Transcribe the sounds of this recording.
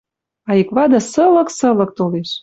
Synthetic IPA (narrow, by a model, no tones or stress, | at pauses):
ɑikβɑd̪ɑ̆sɤ̆lɤ̆ksɤ̆lɤ̆k̚t̪oleʃ